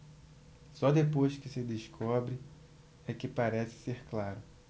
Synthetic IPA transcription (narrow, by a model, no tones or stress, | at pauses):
sɔd̪epojʃkɪsɪd̪eʃkʰɔbɾɪ | ɛkɪpaɾɛsɪ̥seɾklaɾʊ